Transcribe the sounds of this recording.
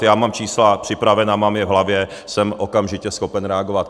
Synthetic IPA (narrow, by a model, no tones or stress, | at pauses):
jaːmaːmt͡ʃiːslapr̥ɪpɾavɛnamaːmjɛvɦlavjɛ | sɛmʔokamʒɪcɛsxo̞pɛnɾɛaɡovat̪